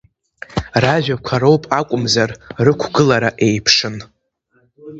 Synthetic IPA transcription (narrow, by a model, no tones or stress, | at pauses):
raʒᶣakʷʰaɾo̞wpʼakʷʼʊmzarrɨkʷʰɡɨlaɾaʔe̞jpʰʂɨn